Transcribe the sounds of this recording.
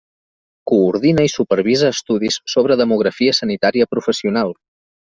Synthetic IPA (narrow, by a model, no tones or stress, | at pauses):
kuːɾðinəisupəɾβizəːst̪uðisːoβɾəðəmuɣɾəfiəsənit̪aɾiəpɾufəsiunalˠ